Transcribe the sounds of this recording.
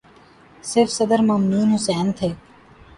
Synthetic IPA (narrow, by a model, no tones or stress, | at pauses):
sɪɾfsəd̪əɾmaːmnuːnɦʊsɛːnt̪ʰeː